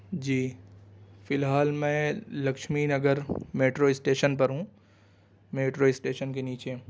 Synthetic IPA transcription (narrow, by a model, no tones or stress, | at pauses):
d͡ʒiː | fɪlɦaːlmɛ̃lɐkʃminɐɡəɾmeːʈɾoːɪsʈeːʃənpɐɾɦũː | meːʈɾoɪsʈeːʃənkeniːt͡ʃe